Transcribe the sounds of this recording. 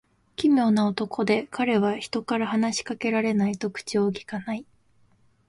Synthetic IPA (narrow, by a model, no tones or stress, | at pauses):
kʲimʲjo̞ːnaot̪o̞kʰo̞d̪e̞kʰaɾe̞βaçi̥t̪o̞kaɾahanaɕi̥kake̞ɾaɾe̞nait̪o̞kɯ̥t͡ɕio̞ːkʲi̥kanai